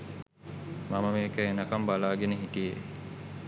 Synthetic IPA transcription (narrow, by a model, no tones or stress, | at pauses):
maməmeːkəenəkambalaːɡenəɦiʈijḛ